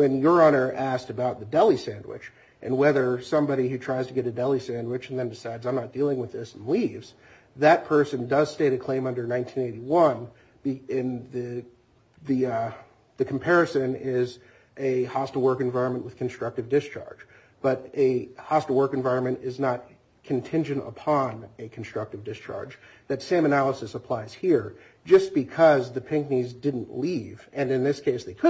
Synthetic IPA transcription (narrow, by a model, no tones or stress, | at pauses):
wɨ̃njə˞ɑñə˞ʔæsksɨbaʊt̪̚ðɨdɛlˠisæ̃ndwɪ̰t͡ʃ | ʔɨ̰̃nwɛðə˞sʌ̃mbɑɾihʉtʰɹ̥aɪz̥tʰɨɡɛɾɨdɛlˠisæ̃nd̚wɨt͡ʃn̩ðɨ̃ndɨsaɪdzãɪ̃mnət̚d̥ilˠɪ̃ŋwɨðɪsn̩livz̥ | ðɨt̚pʰɜ˞sɨ̃ndʌz̥steɪɾɨkʰl̥ẽɪ̃mʌ̃ndə˞nãɪ̃ntʰĩneɪɾiwʌ̃n | b̥iɪ̃nðɨ | ðɨ | ðɨkʰm̩pʰɛɹɨsɨ̃nɪz | ʔɨhɑstl̩ˠwɜ˞kɨ̃ɱvaɪɹɨ̃nmə̃nʔwɨð̥kʰn̩stɹ̥ʌk̚tɨvdɪst͡ʃʰɑ̰ɹd̥d͡ʒ | b̥ʌɾɨhɑstl̩ˠwɜ˞kɨ̃ɱvaɪɹɨ̃nmɨ̃ntɪznət̚ | kʰɨ̃n̩tʰɪ̃nd͡ʒɨ̃ntə̰pʰɑ̃nɨkʰn̩stɹ̥ʌk̚tɨvdɨst͡ʃʰɑ̰ɹd͡ʒ | ðɨtsẽɪ̃mɨnælˠəsɨsəpʰl̥aɪz̥hiɹ | d͡ʒʌsb̥ɨkʰʌzðɨpʰɪ̃ŋknizdɪdⁿn̩ʔlivɨ̃nɨ̃nðɪskʰeɪsðeɪkʰʊ